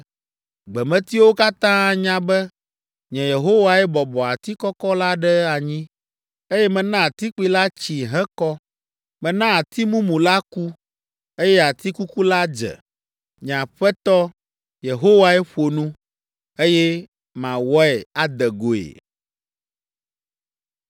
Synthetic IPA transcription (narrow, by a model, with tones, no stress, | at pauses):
ɡ͡bɛ˨mɛ̃˨˦t̪i˦wo˦ka˦t̪ã˦ɲã˦bɛ˦ | ɲɛ̃˨je˨ɦo˦wa˨ɛ˦bɔ˨bɔ˨a˨t̪i˦kɔ˦kɔ˦la˦ɖɛ˦a˨ɲĩ˦ | e˦jɛ˦mɛ̃˨nã˦a˨t̪i˦k͡pi˨la˦t͡ɕi˨ɦɛ̃˦kɔ˦ | mɛ̃˨nã˦a˨t̪i˦mũ˦mũ˨la˦ku˦ | e˦jɛ˦a˨t̪i˦ku˦ku˦la˦d͡ʒɛ̰˨ | ɲ˨ã˨ɸɛ˦t̪ɔ˦ | je˨ɦo˦wa˨ɛ˦ɸo˨nũ˦ | e˦jɛ˦ | mã˨wɔ˦ɛ˨a˦d̪ɛ˨ɡo˨ḛ˨